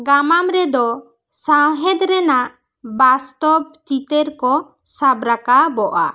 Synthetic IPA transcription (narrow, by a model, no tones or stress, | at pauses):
ɡamamɾɛd̪ɔ | sawɦɛd̪ɾɛnaʔ | bast̪ɔb̚t͡ʃit̪eɾkɔ | sabɾakabɔʔa̰